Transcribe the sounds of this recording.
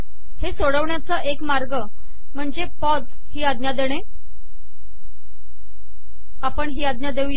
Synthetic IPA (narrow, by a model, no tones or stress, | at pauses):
hesoɽəʋɳjat͡səʔekmaɾɡə | m̤əɳd͡zepɔd̪ | hiːad̪njad̪eɽ̃e | apəɳɦiːad̪̚njad̪euje